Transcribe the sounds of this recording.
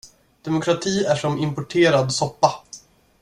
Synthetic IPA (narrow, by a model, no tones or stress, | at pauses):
d̪̥ɛmʊkʰɾat̪ʰiːæʂɔmɪmpɔʈʰeːɾad̪sɔpːa